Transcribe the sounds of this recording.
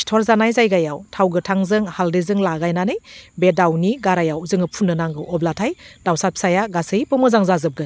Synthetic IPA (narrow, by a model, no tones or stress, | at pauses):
stʰoɾzanajzajɡajawtʰawɡɯtʰaŋzɯŋhaldizɯŋlaɡajnanɯjbedawniɡaɾajawzɯŋɯpʰunːɯnaŋɡɯɔblatʰajd̥awsat̚p̚sajaɡasɯjpɯmɯzaŋzazɯp̚ɡɯ